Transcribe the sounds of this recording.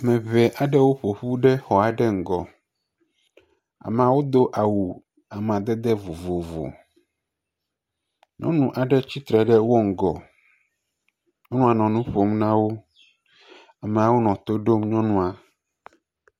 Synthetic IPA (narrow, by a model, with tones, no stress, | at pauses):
mɛ̃˨βɛ˨ʔa˨ɖɛ˦wo˦ɸo˨ɸu˦ɖɛ˦xɔ˨a˨ɖɛ˦ŋ̩˨ɡɔ˨ | a̰˨mɛ̃˨a˨wo˦d̪o˦ʔa˨wu˨ | a˨mɛ˨a˨d̪ɛ˦d̪ɛ˦vo˨vo˨vo̰˨ | ɲɔ̰̃˦nũ˨ʔa˨ɖɛ˦t͡ɕi˦t̪ɾɛ˨ɖɛ˦wo˦ŋ̩˨ɡɔ̰˨ | o˦nũ˦a˨nɔ̃˨nũ˦ɸo˦mnã˦wo˦ | a˨mɛ̃˨a˨wo˦nɔ̃˨t̪o˦ɖo˦mɲɔ̃˦nũ˦a˨